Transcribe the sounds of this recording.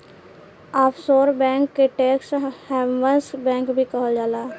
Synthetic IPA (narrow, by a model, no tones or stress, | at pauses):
aːpʰsoːɾbɛ̃ːŋkːeʈeːkshɛːʋənsbɛ̃ːŋkbʱikəɦod͡ʒaːlaː